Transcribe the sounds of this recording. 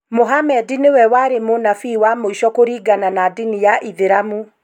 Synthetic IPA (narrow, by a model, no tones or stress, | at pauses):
moɦamɛdinewɛwaɾemonafiːwamoiʃɔkoɾiːɡananadinijaʔiðeɾamu